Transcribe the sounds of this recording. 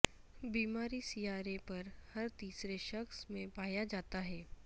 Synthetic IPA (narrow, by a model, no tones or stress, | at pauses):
biːmaɾiːsiːaːɾepəɾhəɾt̪iːsɾeʃəksmẽpaːjad͡ʒaːt̪aɦɛː